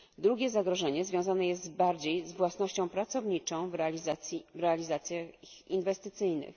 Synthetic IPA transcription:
d̪ɾuɡʲɛzaɡɾɔʐɛɲɛzvʲjɔ̃w̃zanɛjɛst̪baɾd͡ʑejzvwasnɔɕt͡ɕɔ̃w̃pɾat̪sɔvɲit͡ʂɔ̃w̃vzajivɾɛalʲizat̪sʲjaxixḭnvɛst̪ɘt̪sɘjnɘ̰x

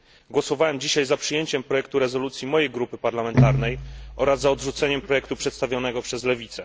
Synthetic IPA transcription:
ɡwɔsɔvawɛmd͡ʑiɕajzapʂɘjeɲt͡ɕɛmpɾɔjɛk̚t̪uɾɛzɔlut̪sʲjimɔjejɡɾupɘpaɾlamɛnt̪aɾnɛjʔɔɾazːaɔd̪ʐut̪sɛɲɛmpɾɔjɛkt̪upʂɛt̪st̪avʲjɔnɛɡɔpʂɛzlɛvʲit̪sɛ

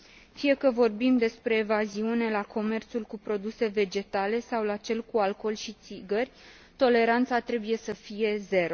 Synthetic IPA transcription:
fije̞kəvo̞rbimd̪e̞spɾe̞ːvaziune̞lako̞me̞rt̪sulkupɾo̞d̪use̞ve̞d͡ʒe̞t̪ale̞sawlat͡ʃe̞lkualko̞lʃit̪siɡərʲ | t̪o̞le̞ɾant̪sat̪ɾe̞buje̞səfije̞ze̞ɾo

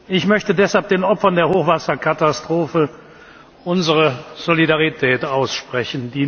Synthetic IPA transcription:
ʔɪçmœçtədɛshalp̚d̥eːnʔɔpfɐndeːɐhoːχv̥asɐkʰatastʁ̥oːfə | ʔʊnzəʁəz̥olidaʁitʰɛːtaʊsʃpʁ̥ɛçn̩diː

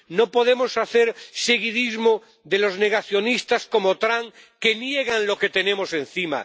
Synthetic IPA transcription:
nopo̞ðe̞mo̞saθe̞ɾse̞ɣiðizmo | ðe̞lo̞zne̞ɣ̞aθjo̞nist̪asko̞mo̞t̪ɾaŋ | ke̞nje̞ɣ̞anlo̞ke̞t̪e̞nẽ̞mo̞sẽ̞nθima̰

